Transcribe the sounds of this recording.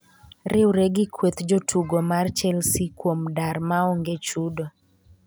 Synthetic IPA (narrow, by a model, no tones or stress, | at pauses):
ɾɪwɾeɡɪkʰwet̪d͡ʒotʰuɡomart͡ʃɛlsikwomdaɾmaɔŋɡet͡ʃudo